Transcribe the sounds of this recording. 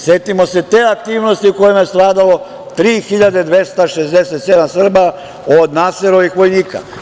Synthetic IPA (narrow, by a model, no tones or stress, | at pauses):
sjet̪imo̞se̞t̪eːakt̪iːʋno̞st̪iuko̞jimajest̪ɾaːd̪alo̞ | t̪ɾiːxiʎad̪ed̪ʋe̞st̪aʃezd̪eset̪sed̪amsr̩ba | od̪naseɾoʋixʋo̞jniːka̰